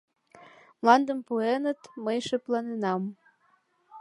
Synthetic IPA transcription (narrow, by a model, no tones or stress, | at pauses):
mlɑnd̪əmpuenət̪məjʃĕplɑnenɑm